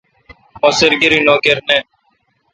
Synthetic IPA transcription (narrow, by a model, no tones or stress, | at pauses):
oːsɪɾɡɪɾiːnoːkeɾneː